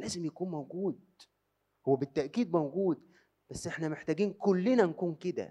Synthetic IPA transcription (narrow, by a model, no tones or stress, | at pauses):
læːzemjækuːnmæwɡuːd̪̚ | howːæbet̪ːæʔkiːd̪̚mæwɡuːd̪ | b̥æsːʔeħnæmeħt̪æːɡiːnkolːenænkuːnked̪æ̰